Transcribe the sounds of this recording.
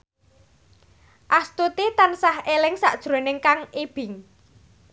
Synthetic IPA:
ʔast̪ut̪it̪ansahelɪŋsa̰ʔd̥ʒ̥ɾo̤nɪŋkaŋʔeb̥ɪŋ

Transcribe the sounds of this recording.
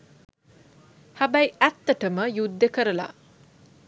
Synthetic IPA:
habajæt̪ːəʈəməjud̪ːəkəɾəla̰

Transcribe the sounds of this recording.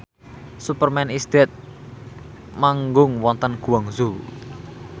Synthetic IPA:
supərmɛnisd̪̥ɛt̪̚ | maŋɡʊŋwɔnt̪ənɡ̥ṳwaŋzu

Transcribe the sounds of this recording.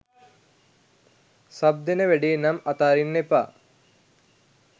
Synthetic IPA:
sab̚d̪enəʋeɖinamat̪aːɾinːepa̰

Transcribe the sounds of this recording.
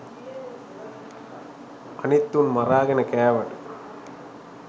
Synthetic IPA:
ɐnit̪ːunmɐɾaːɡɐnɐkɛːʋɐʈ

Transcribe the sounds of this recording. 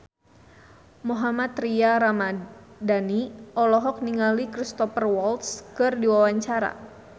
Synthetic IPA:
moɦamat̪ɾiaɾamadaniʔɔlɔɦɔk̚niŋalikɾist̪ɔfərwɔlt̪skɨrdiwawaɲt͡ʃaɾa̰

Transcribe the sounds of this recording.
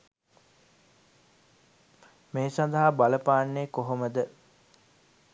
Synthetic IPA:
meːsand̪ɐɦabaləpaːnːeːkoɦoməd̪ə

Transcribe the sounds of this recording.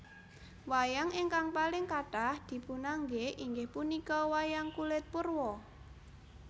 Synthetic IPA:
wajaŋɪŋkaŋpalɪŋkaʈahd̪̥i̤punaŋɡeʔiŋɡɪhpunikɔwajaŋkulɪt̪̚pʊrwɔ

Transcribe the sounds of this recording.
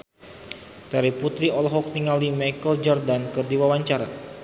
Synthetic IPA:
d̥aɾiput̪ɾiɔlɦɔk̚niŋalimajkəld͡ʒɔrdankɨrdiwawaɲt͡ʃaɾa

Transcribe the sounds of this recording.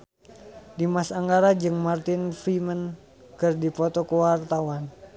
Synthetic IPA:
dimasaŋɡaɾad͡ʒɨŋmart̪ɪnfimən | kɨrdipɔt̪ɔkəwart̪awan

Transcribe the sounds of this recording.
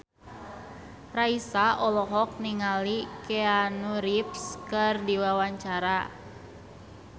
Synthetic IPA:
raisaʔɔlɔɦɔk̚niŋalikeanuɾipskɨrdiwawaɲt͡ʃaɾa

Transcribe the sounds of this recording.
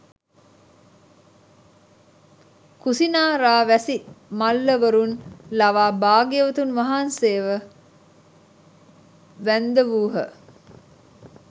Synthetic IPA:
kusinaːɾaːʋæsimalːəʋəɾunlaʋaːbaːɡeʋət̪unʋaɦanseːʋə | ʋænd̪əʋuːɦə̰

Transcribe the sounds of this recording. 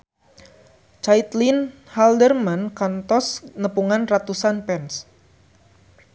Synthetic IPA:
t͡ʃait̪lin | haldərmankant̪ɔsnəpuŋanrat̪usanpɛns

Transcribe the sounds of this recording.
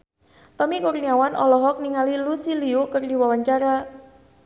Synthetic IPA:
t̪ɔmikurniawanɔ̰lɔɦɔk̚niŋalilusiliukɨrdiwawaɲt͡ʃaɾa

